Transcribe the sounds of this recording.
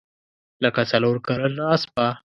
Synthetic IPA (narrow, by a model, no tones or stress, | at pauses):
ləkat͡saloɾkaɾəlɑspa